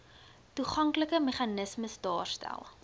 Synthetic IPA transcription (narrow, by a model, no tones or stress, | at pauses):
tuχɐŋkləkəmeχɐnəsməsdɑ̰ːrstæ̰lˠ